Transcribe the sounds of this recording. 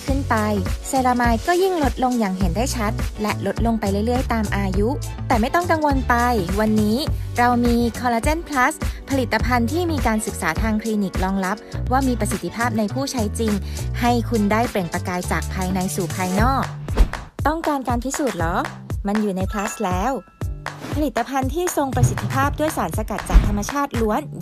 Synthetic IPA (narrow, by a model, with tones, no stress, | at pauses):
kʰɯ˥˩npa˧jseː˧laː˧maː˧jkɔː˥˩ji˥˩ŋlo˦˥t̪̚lo˧ŋjaː˨˩ŋɦe˩˦ndaː˥˩jt͡ɕʰa˦˥t̪̚lɛ˦˥ʔlo˧˦˥t̪̚lo˧ŋpa˧jɾɯ˥˩jlɯ˥˩əjt̪aː˧mʔaː˧ju˦˥t̪ɛː˨˩ma˥˩jt̪ɔ˥˩ŋka˧ŋwo˧npa˧jwa˧nːiː˦˥ɾa˧wmiː˧kʰɔː˧la˧˥t͡ɕa˥˩npʰla˦˥spʰa˧li˨˩t̪ːa˧pʰa˧nt̪ʰiː˥˩miː˧kaː˧nsɯ˨˩k̚saː˩˦t̪ʰaː˧ŋkʰliː˧ni˨˩k̚lɔː˧ŋla˦˥p̚waː˥˩miː˧pɾa˧si˨˩t̪ʰːi˦˧pʰaː˥˩p̚na˧jpʰuː˥˩t͡ɕʰa˦˥jt͡ɕi˧ŋha˥˩jkʰu˧ndaː˥˩jple˨˩ŋpa˧kaː˧jt͡ɕaː˨˩k̚pʰaː˧jna˧jsuː˨˩pʰaː˧jnɔː˥˩k̚ | t̪ɔ˥˩ŋkaː˧nkaː˧npʰi˦˥suː˨˩t̪̚lɔ˨˩˦ | ma˧njuː˨˩na˧jpʰla˦˥slɛː˦˥w | pʰa˧li˨˩t̪ːa˧pʰa˧nt̪ʰiː˥˩so˧ŋpɾa˧si˨˩t̪ʰːi˧˥pʰaː˥˩p̚du˥˩əjsaː˩˦nsa˧ka˨˩t̪̚t͡ɕaː˨˩k̚t̪ʰa˧mːa˧t͡ɕʰaː˥˩t̪̚lu˦˥ən